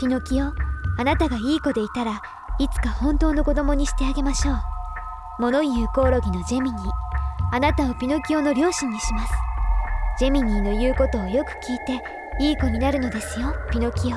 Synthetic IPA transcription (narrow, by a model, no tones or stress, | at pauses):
pʲino̞kʲio̞anat̪aɡaiːko̞d̪e̞it̪aɾa | it͡sɨ̥kahõ̞nt̪o̞ːno̞ko̞d̪o̞mo̞ɲ̟iɕi̥t̪e̞aɡe̞maɕo̞ː | mo̞no̞jɯ̟ːko̞ːɾo̞ɡʲino̞d͡ʑe̞mʲiɲ̟iːanat̪aopʲino̞kʲio̞no̞ɾʲo̞ːɕĩɲ̟ːiɕimasɨ̥d͡ʑe̞mʲiɲ̟iːno̞jɯ̟ːko̞t̪o̞ːjo̞kɯ̟̥kʲiːt̪e̞ | iːko̞ɲ̟inaɾɯ̟no̞d̪e̞sɨjo̞pʲino̞kʲio